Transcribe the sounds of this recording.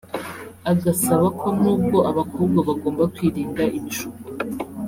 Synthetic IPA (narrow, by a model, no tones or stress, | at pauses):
aɡasaβakʰo̞nnuːb̚ɡo̞ʔaβakʰoːbɡaβaɡo̞ːmbakwiːɾiːŋɡaʔint͡ʃu